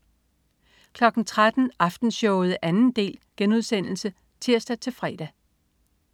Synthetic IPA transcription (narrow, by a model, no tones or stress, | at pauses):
kʰlɒ̽ɡ̥n̩t͡sʰʁad̥n̩ɑ̈fd̥n̩ɕɒʊð̩ˠʔænn̩d̥e̝̰ːlɡ̥enuð̞ˠsen̰l̩sə | t͡sʰiɐ̰sd̥æt͡sʰe̝lfʁɛːd̥æ